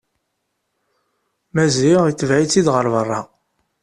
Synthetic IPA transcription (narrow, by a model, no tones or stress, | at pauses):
mæziʁit͡sːəvʕit͡sːid̪ʁəɾvərˤːɑ